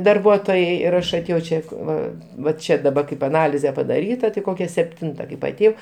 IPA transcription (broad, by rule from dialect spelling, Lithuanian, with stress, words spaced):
dɐrˈbuɔtoːjɛɪ ɪr ˈɐʃ ɐˈtʲeːjɛʊ ˈt͡ʃʲɛ ˈʋɐ ʋɐ ˈt͡ʃʲɛ dɐˈbɐ kɐɪp ɐˈnɑːlʲɪzʲɛ pɐdɐˈrʲiːtɐ tɐɪ ˈkoːkʲɛ sʲɛpʲˈtʲɪntɐ kɐɪp ɐˈtʲeːjɛʊ